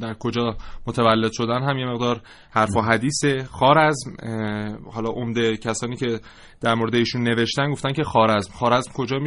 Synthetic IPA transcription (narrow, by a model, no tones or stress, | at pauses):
d̪æɾkʰo̞d͡ʒɒːmot̪ʰævælːe̞d̪ʃo̞d̪ænɦæmje̞me̞ɣd̪ɒːɾ | hæɾfoɦæd̪iːsexɒːɾæzm | hɒːlɒːʔomd̪e̞cʰæsɒːniːce̞ | d̪̥æɾmoɾd̪eiːʃunːe̞ve̞ʃt̪ænɡo̞ft̪æncʰe̞xɒːɾæzmxɒːɾæzmkʰo̞d͡ʒɒːmi